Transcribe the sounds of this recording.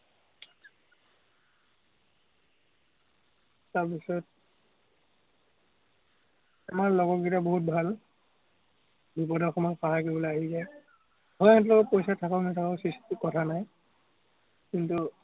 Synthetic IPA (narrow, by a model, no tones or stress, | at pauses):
taɹpisɔt | amaɹlɔɡɔɡitaboɦut̚bʱal | bipɔdɔxɔmɔpaɦakobloaɦizaj | ɦɔjaɛt̬lɔkɔpojsatʰakaʊnɛtʰakaʊsisttukɔtʰanaj | kintu